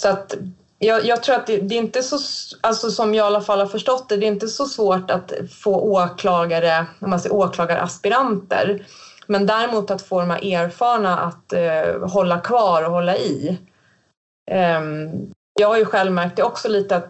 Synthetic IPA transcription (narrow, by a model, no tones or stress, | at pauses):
sɔat̪ | jɑːjɑːɡt̪ʰɾuːɾat̪̚d̪ɛd̪ɛɾɪnt̪əsɔalsɔsɔmjɑːɡalːafalhaɾfœʂʈɔt̪ːɛd̪ɛɪnt̪əsɔsvoːʈat̪foːʔoːkʰlɑːɡaɾəɔmansɛjoːkʰlɑːɡaɾʔa̰spɪɾant̪ə̰ɾ | mɛnd̪æːɾɪmuːt̪at̪foːɾmɛ̰ʔeːɾfɑːɳaʔa̰t̪ɦɔlːakʰvɑːɾɔhɔlːaɪ | jɑːɡhaɾjɵɧɛlvmæɾk̚t̪ɛɔksɔliːt̪əat̪